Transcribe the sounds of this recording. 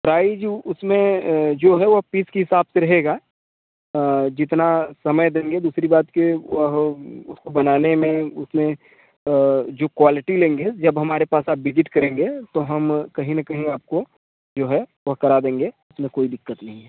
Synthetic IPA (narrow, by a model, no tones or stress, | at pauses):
pɾaːɪd͡ʒʊsmẽd͡ʒoːɦɛʋɐɦpiːskeɦɪsaːbseɾɐɦeɡaː | d͡ʒɪt̪nasɐməjd̪ẽːŋɡed̪uːsɾibaːt̪keʋɐɦʊ̰skobɐnaːnemẽʊsmẽ | d͡ʒoːkwaːlɪʈilẽːŋɡed͡ʒɐbɦɐmaːɾepaːsaːpʋɪd͡ʒɪʈkɐɾẽːŋɡet̪oɦɐmkɐɦĩnɐkɐɦĩaːp̚ko | d͡ʒoːɦɛʋɐɦkɐɾad̪ẽːŋ̆ɡeʊsmẽkoːid̪ɪkːət̪nɐɦĩɦɛː